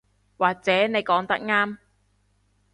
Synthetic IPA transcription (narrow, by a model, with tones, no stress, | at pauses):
waː˨k̚t͡sɛː˨˥ne˨˧jkɔː˨˥ŋt̪ɐ˥k̚ŋaː˥m